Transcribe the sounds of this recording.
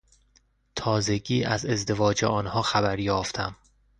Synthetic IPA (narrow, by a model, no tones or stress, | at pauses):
t̪ʰɒːze̞ɡiːʔæze̞zd̪e̞vɒːd͡ʒeʔɒːnhɒːxæbæɾjɒːft̪ʰæm